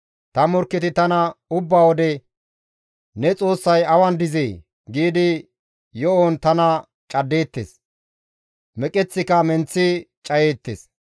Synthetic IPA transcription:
t̪ɐmɔɾkːɪt̪ɪt̪ɐnɐʊbːaːwɔd̪ɛ | nɛt͡sʼo̞ːsːɐjɐwɐnd̪ɪzeː | ɡiːd̪ɪ | jɔont̪ɐnɐ | t͡ʃʼɐd̪ːe̞ːt̪ːeːs | mɛkʼɛt͡sːɪkɐmɛnt͡sːɪt͡ʃʼɐjeːt̪ːḛs

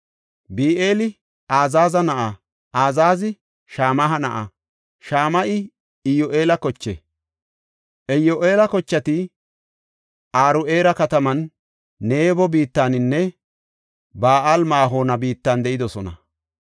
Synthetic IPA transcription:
biːʔeːlɪ | aːzaːzɐnɐʔa | ʔaːzaːzɪ | ʃaːmɐɦɐnɐʔɐ̰ | ʃaːmɐʔɪ | ɪjoʔe̞ːlɐkɔt͡ʃːḛ | ʔɛjoʔe̞ːlɐkɔt͡ʃːɐt̪ɪ | aːɾʊʔe̞ːɾɐkɐt̪ɐmɐnː | e̞ːbɔbiːt̪ːaːnɪnːɛ | baːʔalmaːɦo̞ːnɐbiːt̪ːand̪ɛʔɪd̪ɔsɔnɐ̰

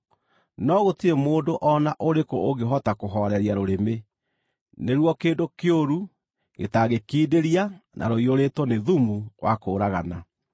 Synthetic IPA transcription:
nɔɣotiɾemoːdoʔɔnaʔoɾekooɡeɦɔtakoɦɔɾɛɾjaɾoɾeme | neɾwɔkeːndokeoɾu | ɡḛtaɣekiːdeɾianʔa̰ɾoioɾeːtwɔneðumuwʔa̰koːɾaɣana

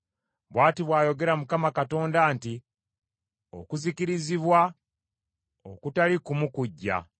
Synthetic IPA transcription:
βwaːtiβwaːjo̞ɡe̞ɾamukamakato̞ːndaːnti | o̰kuzikiɾiziβwa | okutalikumukuɟːa̰

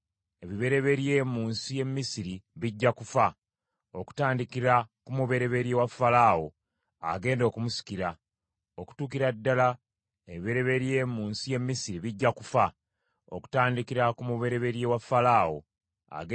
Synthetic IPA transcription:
e̞βiβe̞ɾe̞βe̞ɾje̞ːmuːnsije̞mːisiɾiβiɟːakufa | o̰ku̥taːndikiɾakumuβe̞ɾe̞βe̞ɾjewafːalaːwo̞̰ | a̰ɡe̞ːndo̞ːkumusi̥kiɾa | o̞ku̥tuːkiɾadːala | e̞βiβe̞ɾe̞βe̞ɾje̞ːmuːnsije̞mːisiɾiβiɟːakufa | o̰ku̥taːndikiɾakumuβe̞ɾe̞βe̞ɾjewafːalaːwo̞̰ | a̰ɡ

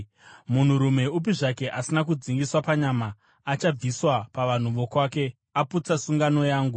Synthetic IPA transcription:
mun̤uɾume̞up̬iʐake̞ʔasinakud͡ziŋɡiswapaɲamaː | t͡ʃab͡viswapaʋan̤uʋo̞kwaːke̞ | aput͡sasuŋɡano̞jaːŋɡu

